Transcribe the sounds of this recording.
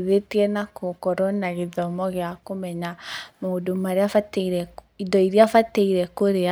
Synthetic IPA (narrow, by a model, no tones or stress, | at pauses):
ðetiɛnakokɔɾɔnaɣeðɔmɔɣeakomɛɲamoːdomaɾeafateiɾɛ | idɔiɾiafateiɾɛkoɾea